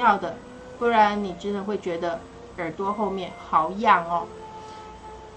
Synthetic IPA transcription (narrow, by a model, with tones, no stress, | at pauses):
jɑ˥˩ʊd̪ə˩ | pu˥˩ɻa˧˥nni˨˩ʈ͡ʂɻ̩˥nʰɤ˧˥ŋxwe˥˩ɪt͡ɕɥɛ˧˥d̪ə˧ | ə˞˨˩t̪wɔ˥xo˥˧ʊmjɛ˥˩nxɑ˧˥ʊ˧˦jɑ˥˩ŋɔ˧˦